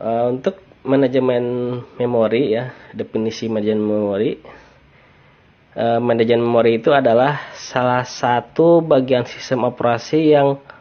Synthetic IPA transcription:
ʔəunt̪ʊk̚manad͡ʒəmɛnmemoɾijadepinisimadad͡ʒənmemoɾi | ʔəmɛndad͡ʒɛnmemoɾiːt̪uadalahsalahsat̪ubaɡiansi̥st̪əmopɾasijaŋ

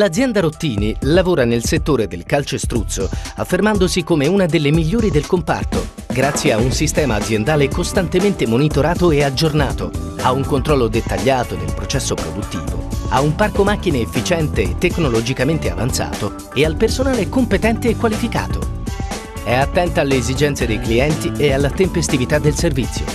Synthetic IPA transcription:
lad̪zjɛnd̪aɾot̪ːiːnilavoːɾanelset̪ːoːɾed̪elkalt͡ʃost̪ɾut̪sːoafːermand̪osikomeunad̪elːemiʎːoːɾid̪elkompa̰rt̪o | ɡɾat̪sːjeaunsist̪ɛːmaːd̪zjend̪aːlekost̪ant̪ement̪emonit̪oɾaːt̪oead͡ʒːorna̰ːt̪o̰ | auŋkont̪ɾɔlːod̪et̪ːaʎːaːt̪od̪ḛlpɾot͡ʃɛsːopɾod̪ut̪ːḭːvo̰a̰umparkomak̟ːineːfːit͡ʃɛnt̪eːt̪ːekːnolod͡ʒikament̪ea̰va̰nt̪sa̰ːt̪o | ealpersonaːlekompet̪ɛnt̪eːkːwalifika̰ːt̪o̰ | ɛat̪ːɛnt̪aːlːeːzid͡ʒɛnt̪sed̪ejkliɛnt̪iealːat̪empest̪ivit̪ad̪ːelservit̪sːjo̰

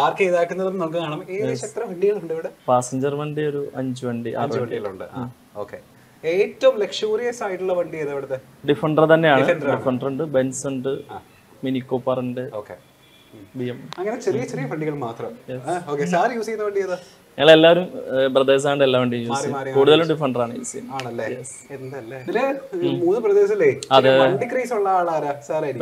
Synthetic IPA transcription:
aːrkeːðaːkʲːunːɐðɐnɨnoɭkɨkaːɳɐmeːðɨsɐt̪rɐfɐɳɖiɣɐɭuɳɖiʋiɽɨpaːsɐɲd͡ʑɐrʋɐɳɖioɾuʔɐɲd͡ʑɨʋɐɳɖiʔa̰ːrʋɐɐɳɖiɐɭuɳɖɨa̰ː | oːkːḛ | eːtːɐʋɐmlekʂjuːrijɐsaːjiʈːuɭːɐʋɐɳɖijɐðɐʋiɽɐt̪ːe | ɖifɐɳɖɐrt̪ɐnːe̞jaːɳɨɳɖifɐɳɖɐruɳɖɨbensuɳɖɨa | minikːoːpːɐrɨɳɖɨoːkːḛ | bijemɐŋːɐnet͡ɕerijɐt͡ɕerijɐfɐɳɖiɣɐɭmaːt̪rɐmjesoːkːesaːɾjuːsikʲːnːɐʋɐɳɖijɐðɨ | ɲɐŋːɐɭe̞lːaːʋɐɾumprɐd̪eːs̬aːɳɖɨelːaːʋeɳɖijuːsik̪ːkuːɽuðɐlumɖifɐɳɖɐraːɳɨjṵːsikːunːaːɳɐlːejes | elɐlːeinemuːnːɨprɐd̪eːsilːeːɐðɨɐɳɖikriːsuɭːɐaːɭaːɾasaːɾaɐɾikː

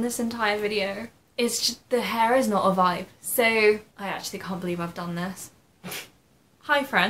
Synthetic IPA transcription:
nðɪsɨ̃ntʰaɪə˞vɪɾioʊ | ɪz̥d͡ʒʌðɨɦɛɹɨznəɾəvaɪp̚soʊʔaɪæk̚t͡ʃʉl̩ˠikʰæ̃nb̥əlivaɪvdʌ̃nðɪs | haɪfɹɛ̃n

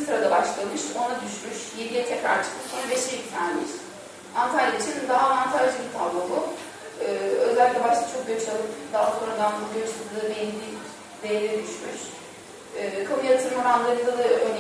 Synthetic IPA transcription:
sɯɾad̪abaʃlˠamɯʃo̞nad̪yʃmyʃjed̪ijɛt̪ʰɛfaɾt͡ʃʰɯ̥k̪ɯkʰonabeʃiit̪ʰanmiʃ | ant̪ʰalʲjait͡ʃʰinind̪aɦaːvant̪ʰaʒɯbit̪ʰavlˠobu | ɯːø̞zælʲic̪ʲlʲɛbaʃlˠat͡ʃʰo̞k̚ɟøt͡ʃalˠɯpd̪aɦaso̞nɾad̪anuɟøt͡ʃad̪ˠd̪ɯbend̪i | d̪ejlʲɛd̪yʃmyʃ | ɯːkʰamujat̪ʰɯɾmuɾanlˠaɾɯd̪alˠɯøn

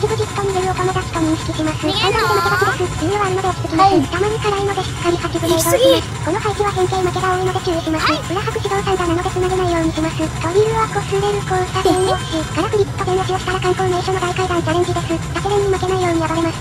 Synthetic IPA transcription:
t͡ɕibɯ̟d͡ʑikkːaɲimeɾɯokomet̪aɕi̥kamʲĩñsi̥kʲisʲimasɨannaed̪emaked̪akʲid̪esɨiɯβaɾɯnod̪eok̪i̥tɨ̥kʲimasɨt̪amaɲ̟ikaɾainod̪eɕi̥kãɲʲikat͡ɕiɡɯɾeiɡaimasɨ̥ko̞no̞haikʲiβakẽ̞ŋkeːɲimake̞t̪aoːenod̪et͡ɕɨːjeɕʲimasɨɯɾahakɯ̟ɕʲid̪õñsãŋkananod̪et͡sɨnaɾenaijo̞ːɲ̟isʲimasɨkaɾʲiɾɯβakosɨɾeɾɯ̟kot̪aɡẽɰ̃oeɡ̥aɾakɯ̟ɾʲiskad̪enːokijoɕi̥t̪aɾakãŋkoːnẽɕoːnoɡ̪aikaid̪ãnd͡ʑaɾẽ̞nd͡ʑid̪e̞sɨsak̪ɯɾeɲːimake̞naijo̞ːɲ̟ijabaɾe̞masɨ̥

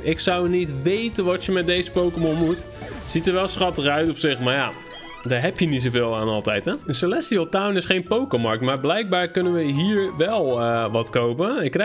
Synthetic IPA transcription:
ɪksʌwnitʋejtənʋɔtjəmɛt̚dejzəpowkəmɔnmut | sitəɹʋɛlˠsχɑtəχœɥtɔpsɪχmaːɹja | daːɹɦɛpjənits̬oveːlˠaːnɑlˠtɛjtɛsəlɛstiɔltawnɪsχejnpowkəmɑɹk̚tmaːɹblɛjk̚baːɹkɵnənʋəɦiːɹʋɛlˠəʋɑtkowpəɪkːrɛ

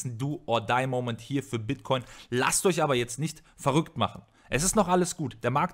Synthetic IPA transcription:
n̩duːʔoːɐdaɪmoʊmɛnthiːɐfyːɐbɪtkʰɔʏnla̰stɔçʔaːbɐjɛt͡stnɪçt | fɛɐʁʏktma̰χn̩ | ʔɛsɪstnɔχʔaləsɡ̥uːtd̥eːɐmaɐk̚t

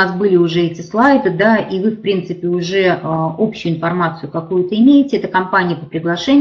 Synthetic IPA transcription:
asbɨlʲɪʊʐɛɛtʲɪslˠajd̪ɨd̪aʔivɨfpɾʲint̪sɨpʲɪʊʐɛəopɕːʊjʊɪnfɐrmat̪sɨjʊkɐkujʊt̪əɪmʲejɪtʲɪɛt̪əkɐmpanʲɪjəpəpɾʲɪɡlˠɐʂɛnʲ

